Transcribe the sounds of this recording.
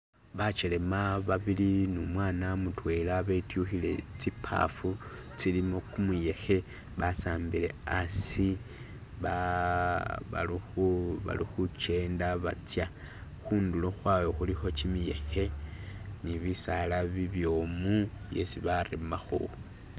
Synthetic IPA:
βat͡ʃele̞maβaβilinumwaːnamutwe̞ːlaβetjuxile̞̰t͡sipʰa̰fu | t͡silimo̞kumuje̞xe̞ | βasaːmbile̞asi | βa | βa̰liuβa̰lḭxut͡ʃe̞ːndaβa̰t͡sja | xuːnduloxwawoxulixo̞t͡ʃimije̞̰xe̞ | niβisalaβiβjo̞ːmu | je̞siβaɾemaxo̰

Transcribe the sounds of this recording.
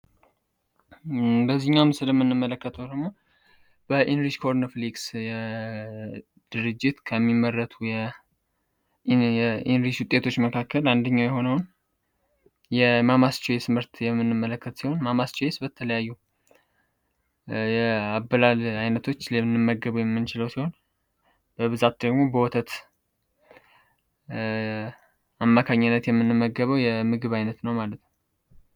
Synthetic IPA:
bəzːihɲːawmsɨləmːɨnːɨmːələkːət̪ʰəwd̪əɡmo | b̥əʔinɾiʃkʰo̞ɾnəfliɡsjɛ | d̪̥ɨɾɨd͡ʒːɪt̪kʰəmːimːərːət̪ʰujɛ | jɛinɾiʃwʊt̪ʼːe̞t̪ʰo̞t͡ʃːməkʰakʰːəland̪əɲːawjɛɦo̞nəwn | jɛmamast͡ʃɛjɛsɨmɨɾt̪jɛmːɨnːɨmːələkːət̪siho̞nmamast͡ʃɛjesbət̪ʰələjajːu | jɛabːəlalajnət̪ʰo̞t͡ʃːlɛɨnːɨmːəɡːəβujɛmːɨnt͡ʃɪləwsiho̞n | b̥əβɨzat̪d̪əɡmo̞bəwɔt̪ʰət̪ | amːakʰaɲːɪnːət̪jɛmːɨnːɨmːəɡːəβəwjɛmɨɡɨβajnət̪nəwmalət̪nə

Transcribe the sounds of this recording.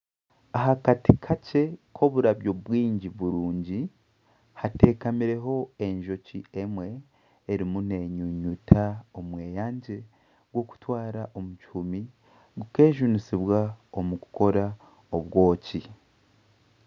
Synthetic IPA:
aɦakatikʰace̞kʰo̞βuɾaβjo̞βwiːɲɟiβuɾuːɲɟi | hate̞ːkamiɾe̞ɦo̞e̞ɲʒo̞ciemwe̞ː | ɾimune̞ɲuɲutʰao̞mwe̞ːjaːɲɟe̞ | ɡwo̞ku̥twaːɾaʔo̞muci̥humi | ɡuke̞ːʒunisiβwaomuku̥ko̞ɾa | o̞βɡo̞ːci

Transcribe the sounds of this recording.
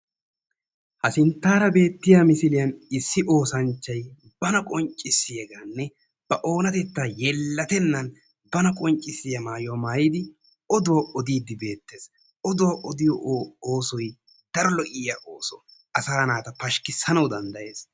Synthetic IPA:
hɐsɪnt̪ːaːɾɐbe̞ːt̪ːɪjaːmɪsɪlɪjɐnɪsːɪʔo̞ːsɐnt͡ʃːɐj | b̥ɐnɐkʼɔnt͡ʃʼːɪsːɪjɛɡaːnːɛ | b̥ɐʔo̞ːnɐt̪ɛt̪ːaːjɛlːɐt̪ɛnːɐn | bɐnɐkʼɔnt͡ʃʼɪsɪjɐmaːjɔwamaːjiːd̪ɪ | ɔd̪ʊwɐʔɔd̪iːd̪ːɪbe̞ːt̪ːe̞ːs | ɔd̪ʊwɐʔɔd̪ɪjɔʔːoːsɔj | d̪̥ɐɾɔlɔʔɪjaʔoːsɔ | ɐsaːnaːt̪ɐpɐʃkɪsːɐnɐwd̪ɐnd̪ɐʔe̞ːs

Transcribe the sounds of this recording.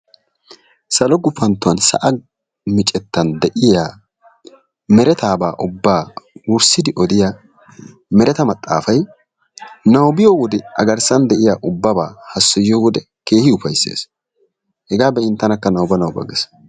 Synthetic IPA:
sɐlɔɡʊpːɐnt̪ːʊɐnsɐ̰ʔɐ | mɪt͡ʃʼɛt̪ːɐnd̪ɛʔɪjaː | mɛɾɛt̪aːbaːʔʊbːaːwʊɾsɪd̪ɪʔɔd̪ɪja | mɛɾɛt̪ɐmɐt̪ʼːa̰ːfɐj | nɐwbɪjowɔd̪ɛɐ̰ɡɐɾsɐnd̪ɛʔɪjaːʔʊbːɐbaːhɐsːɔjjoːwɔd̪ɛ | ke̞ːhɪʊfɐjsːḛːs | hɛɡaːbɛɪnt̪ːɐnɐkːɐnɐwbɐnɐwbɐ̰ɡɛs

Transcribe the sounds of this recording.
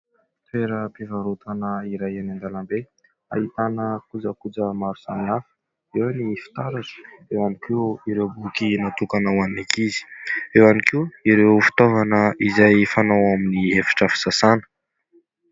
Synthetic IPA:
t̪weɾəpevaɾut̪ʰanəiɾajanand̪alambe | a̰ɦit̪anəkud͡zəkud͡zəmaɾusaniafə̥ | ewanifi̥t̪aɾaʈ͡ʂə̥ewamikiiɾewbukinat̪ukanawanikizi̥ewanikiiɾewfi̥t̪ovanəizajfanawaminiefi̥ʈ͡ʂəfi̥sasanə̥

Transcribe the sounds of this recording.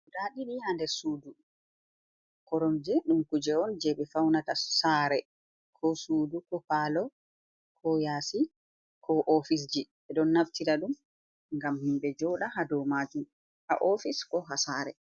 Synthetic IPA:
daːɗiɗihandɛsuːdu | kɔɾɔmd͡ʒɛɗumkud͡ʒɛɔnd͡ʒɛɓɛfawnatasaːɾɛ | kʰɔsuːdukɔpalɔ | kʰɔjaːsi | kʰɔʔofis̬d͡ʒiɓɛɗɔnːaftiɾaɗum | ŋɡamhimɓɛd͡ʒɔɗahadɔmaːd͡ʒum | ha̰ʔoɔfiskɔɦasaɾɛ

